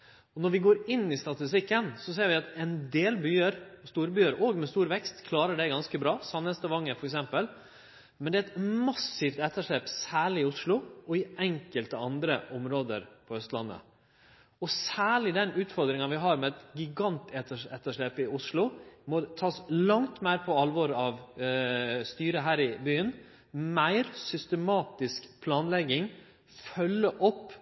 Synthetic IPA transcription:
ɔnɔɾʋɪɡoːɾɪnːɪst̪ɑt̪ɪst̪ɪkːənsɔseːɾʋɪɑt̪ɛnd̪eːlbyːəɾɔst̪uːɾbyːəɾʔoːɡmɛst̪uːɾʋɛkst̪kʰlɑːɾəɖɛɡɑnskəbɾɑːsɑnɛst̪əʋɑŋːəfɔɾɛksɛmpəl | mɛnd̪ɛːɛt̪mɑsɪft̪ɛt̪ːəʂɭeːpsæːɭɪɪʊʂɭʊɔɪʔɛŋkəlt̪əɑnd̪ɾəʔɔmɾoːd̪ə̰ɾpʰɔœst̪lɑ̰nːə̰ | ɔsæːɭɪd̪ɛnʉːt̪fɔɾd̪ɾɪŋɑʋɪɦɑːɾmɛɛt̪ɡɪɡɑnt̪ʰɛt̪əɛt̪ːəʂɭeːpɪʊsɭʊmɔt̪ʰɑːslɑŋt̪mæɪɾpʰɔɑlʋɔɾɑʋ | st̪yːɾəɦæːɾɪbyːən | mæɪɾsʏst̪əmɑːt̪ɪskpʰlɑːnlɛɡɪŋ | fœlːəʔɔpː

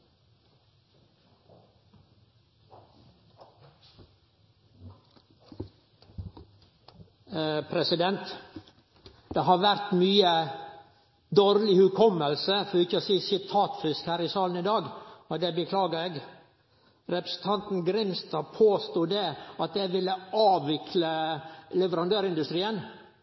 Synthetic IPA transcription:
pʰɾɛsɪd̪ɛnt̪ | d̪̥eɦɑɾʋæɾt̪myːə | d̪oːɾlɪhʉkʰɔməlsəfɔɪçːəɔsiːsɪt̪ʰɑːt̪fɪskhæːɾɪsɑːln̩ɪd̪ɑːɡɔd̪ɛbəkʰlɑːɡəɾeɡ | ɾɛpɾə̥sn̩t̪ʰɑnt̪n̩ɡɾɪmst̪ɑːpʰoːst̪uːd̪eɑt̪̚d̪ɛʋɪlːəɑːʋʋɪkʰləlɛʋəɾɑnd̪øːɾɪnd̪ʉst̪ɾiːən

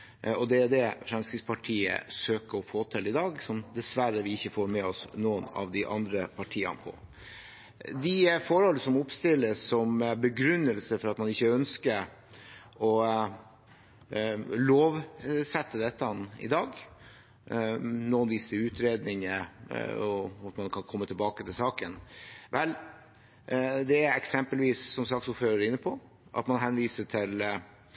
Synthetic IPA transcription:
ɔd̪ɛæd̪ɛfɾɑmskɾɪɡspʰɑʈʰiːə̰søːkəɾɔfoːt̪ʰɪlɪd̪ɑːɡsɔmd̪ɛsʋæɾəʋɪɪçːəfoːɾmɛɔsnoːənɑ̰ʋd̪ɪʔɑ̰nd̪ɾəpʰɑʈʰiːə̰npʰɔ̰ | d̪ɪfɔɾhɔlːəsɔmʊpst̪ɪlːəsːɔmbəɡɾʉnːəlsəfɔɾɑt̪mɑnɪçːəœnskə | ɔ | loːʋsɛt̪ːəd̪ɛt̪ːənɪ̰d̪ɑːɡ | nɔːənʋiːsəd̪ɪʉːt̪ʰɾeːd̪nɪŋə | ɔɑt̪mɑnkʰɑnkʰɔmːət̪ʰɪlbɑːkət̪ʰɪlsɑːkənʋʔɛl | d̪ɛæɛksɛmpəlʋiːsːɔmsɑːksʊpføːɾəɾɾɪnːəpʰɔ | ʔɑ̰t̪mɑnɦɛnʋiːsəʈʰɪl

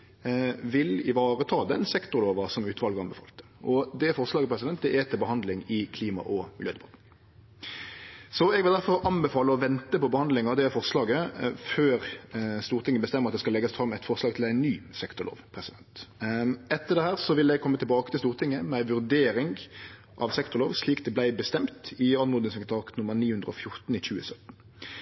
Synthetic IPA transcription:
ʋɪlɪʋɑːɾət̪ʰɑːd̪ɛnsɛkt̪ʊɾloːʋɑsɔmʉːt̪ʰʋɑlɡəɑnbəfɑ̰ːlt̪ə̥ʔɔd̪ɛfɔʁslɑːɡəpʰɾɛsɪd̪ɛnt̪d̪ɛʔɛt̪ʰɪlbəɦɑnd̪lɪŋɪkʰliːmɑ̰ʔɔmɪljøːd̪ɛbɑt̪n̩ | sɔɛɡʋɪld̪æɾfɔɾɑnbəfɑːləɔʋɛnt̪əpʰɔbəhɑnd̪lɪŋɑʋd̪ɛfɔɾslɑːɡəføːɾst̪uːɾt̪ɪŋːəbəst̪ɛməʁɑt̪d̪ɛskɑlɛɡːəsfɾɑmɛɪt̪fɔʁslɑːɡt̪ʰɪlæɪnnyːsɛkt̪ʊlo̰ːʋpʰɾɛsɪd̪ɛnt̪ | ɛt̪ːəʁɖ̪ɛhæːɾsɔʋɪlɛɡ̚kʰɔmːət̪ʰɪlbɑːkət̪ɪst̪uːʁt̪ʰɪŋːəmɛæɪʋʉɾd̪eːɾɪŋ | ʔɑʋsɛkt̪ʊɾloːʋsliːkd̪ɛblæɪbəst̪ɛmt̪ɪɑnmuːd̪ɪŋsɛkət̪ɑːt̪nʊmːəʁniːhʉnd̪ʁəɔ̰fjʊʁt̪n̩ɪçʉːəsœt̪n̩

